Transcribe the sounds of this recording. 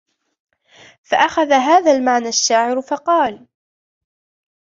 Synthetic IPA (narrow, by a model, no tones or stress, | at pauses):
faʔaxaðaɦaːðaːlmaʕnaʃːaːʕɪɾfɑqɑːl